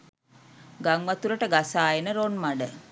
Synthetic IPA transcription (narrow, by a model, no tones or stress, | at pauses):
ɡaŋʋat̪uɾəʈəɡasaːenəɾonmaɖə